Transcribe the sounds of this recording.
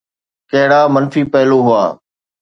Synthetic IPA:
kɐɦɪɽaːmənfiːpəɦɪloːɦʊa̰ː

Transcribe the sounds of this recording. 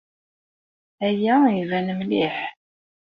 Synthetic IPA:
æjæivænəmliħ

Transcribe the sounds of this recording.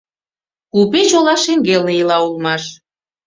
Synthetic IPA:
kupet͡ɕolɑʃeŋɡelnejilɑulmɑʃ

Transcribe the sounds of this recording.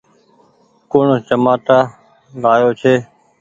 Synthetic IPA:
koːɳət͡ʃəmaːt̪aː | laːjoːt͡ʃʰeː

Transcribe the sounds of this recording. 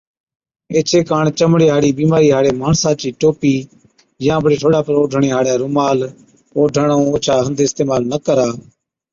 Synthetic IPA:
eːt͡ʃʰeːkaːɳt͡ʃəmɽeːɦaːɽiːbiːmaːɾiːɦaːɽeːmaːɳsãːt͡ʃiːʈoːpiː | jãːbʱəɽeːʈʰoːɽaːpəɾoːɖʱəɳeːɦaːɽjaːɾʊmaːl | oːɖʱəɳõːoːt͡ʃʰaːɦənd̪ʱɪst̪eːmaːlnəkəɾaː

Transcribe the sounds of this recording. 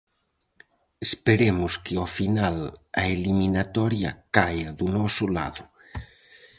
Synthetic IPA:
espeɾemʊskeofinala̰eliminat̪ɔɾja̰kajaðunɔsʊla̰ðʊ

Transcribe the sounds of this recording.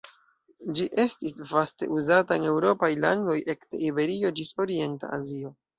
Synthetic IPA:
d͡ʒiʔe̞stisvaste̞̰ʔuzataene̞wɾo̞pajla̰ŋɡo̞jʔe̞kte̞̰ʔibe̞ɾio̞d͡ʒiso̞ɾie̞nta̰a̰zio̞

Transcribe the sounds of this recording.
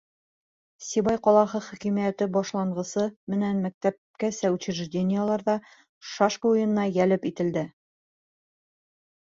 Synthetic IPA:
sʲiβɑjqɒlˠɑχɤχækimijæt̪ɘbɒʃlˠɑɴɢɤ̆sɤmɘnænmæk̚t̪æp̚kæsæwt͡ɕɘ̆ɾɘʒdʲenʲɪjəlˠɑɾðɑ | ʃɑʃkəujɤ̆nɤ̆nɑjælɘpit̪ɘ̆ld̪ɘ

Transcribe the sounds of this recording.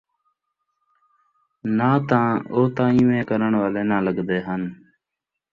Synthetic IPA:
nãːt̪ãːoːt̪ãːĩːʋẽːkəɾəɳʋaːleːnãːləɡd̪eːɦən

